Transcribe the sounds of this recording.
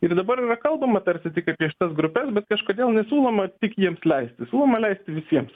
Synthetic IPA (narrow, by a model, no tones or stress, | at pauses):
ɪrd̪ɐbɐɾiːrɐkɐlˠbɐmɐt̪ɐɾʲsʲɪt̪ʲɪkɐpʲiɛʃʲɪ̥t̪ɐsɡɾʊpʲɛsbʲɛt̪kɐʃkoːd̪ʲeːlˠnʲɛsʲuːlˠomɐt̪ʲɪkjiɛmslʲɛɪsʲt̪ʲɪsuːlˠoːmɐlʲɛɪsʲt̪ʲɪʋʲɪsʲiɛms